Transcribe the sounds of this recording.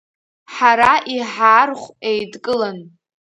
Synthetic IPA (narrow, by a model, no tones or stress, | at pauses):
ħaɾaʔiħaːrχʷejdkʼɨlɨn